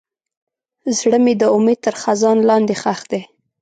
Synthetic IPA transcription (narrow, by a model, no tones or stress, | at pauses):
zɽəmed̪əʊmed̪̚t̪əɾxazɑnlɑnd̪exaxd̪e